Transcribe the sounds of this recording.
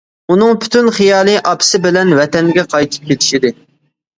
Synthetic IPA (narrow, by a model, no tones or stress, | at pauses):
unɨŋpʰy̥t̪ʰynχijɑːlˠɨʔɑpʰsɪbɪlɛnvɛt̪ɛŋɡʲɛqʰɑjt̪ʰɨ̥p̚kʲet̪ʰɪ̥ʃid̪ɪ